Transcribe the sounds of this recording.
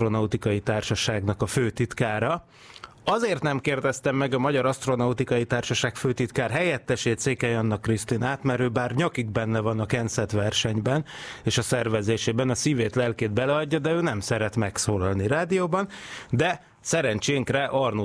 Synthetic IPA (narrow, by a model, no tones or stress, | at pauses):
ronɒut̪ikɒjit̪aːrʃɒʃaːɡnɒkɒføːt̪it̪kaːɾɒ | ɒzeːrt̪nɛmkeːrd̪ɛst̪ɛmːɛɡɒmɒɟɒɾɒst̪ro̞nɒut̪ikɒjit̪aːrʃɒʃaːkføːt̪it̪kaːrɦɛjɛt̪ːɛʃeːt̪seːkɛjɒnːɒkːrist̪inaːt̪mɛɾøːbaːrɲɒkiɡ̚bɛnːɛvɒnɒkɛnsɛt̪ʋɛrʃɛɲbɛneːʃɒsɛrvɛzeːʃeːbɛnɒsiːveːt̪lɛlkeːd̪̚bɛlɛɒɟːɒd̪ɛøːnɛmsɛɾɛt̪mɛksoːlɒlniɾaːd̪ijoːbɒnd̪ɛ | sɛɾɛɲt͡ʃeːŋkrɛʔɒrnu